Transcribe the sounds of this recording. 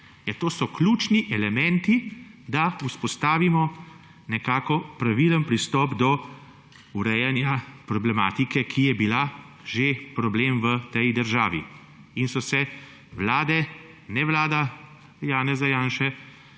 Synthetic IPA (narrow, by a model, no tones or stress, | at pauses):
jɛt̪oːsɔkluːt͡ʃniʔɛlɛmɛ̃nt̪id̪auspɔst̪aːʋimɔ | nɛkaːkɔpɾaʋiːlənpɾist̪ɔːbd̪ɔ | uɾɛjɛnjapɾɔblɛmaːt̪ikɛkʰijɛbila | ʒepɾɔbleːmʋət̪ɛjd̪əɾʒaːʋḭ | insɔsɛ | ʋlaːd̪ɛ | nɛʋlaːd̪a | jaːnɛzajaːnʃɛ